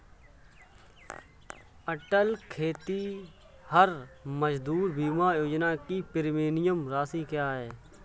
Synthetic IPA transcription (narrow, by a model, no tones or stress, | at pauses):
əʈəlkʰeːt̪i | həɾməd͡ʒd̪uːɾbiːmaːjoːd͡ʒnaːkipɪɾmeːnɪjəmɾaːsiːkjaːɦɛː